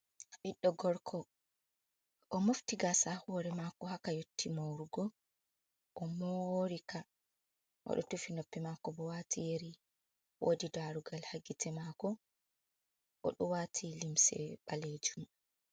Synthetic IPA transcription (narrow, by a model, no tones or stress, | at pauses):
ɓiɗːɔɡɔɾkʰɔ | ʔɔmoftiɡasahɔɾɛmakɔhakajotʰːimoɾuɡɔ | ʔɔmoɾika | ʔɔ̰ɗɔtufinopːimakɔbɔwatʰijeɾi | wʔo̰ːdidaɾuɡalhaɡitʰɛmakɔ | ʔɔ̰ɗɔwaːtʰilimsɛ̰ɓaled͡ʒum